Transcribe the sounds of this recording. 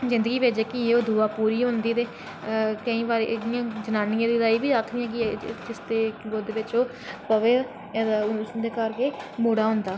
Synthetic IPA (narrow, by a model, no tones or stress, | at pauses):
zɪ̃nd̪əɡiːʋeːd͡ʒeːkɪjeːoːd̪ʱuːaːpuːɾiːɦʊ̃nd̪iːt̪eː | kəĩːʋaːɾɪjãːd͡ʒənaːnɪjãːd̪iːɾaːiːbiːdakʰd̪ɪjãːk̬ɪd͡ʒɪst̪eːɡoːd̪eːʋɪt͡ʃoː | pəʋeː | sd̪eːkəɾkeːmuːɽaːɦʊ̃nd̪aː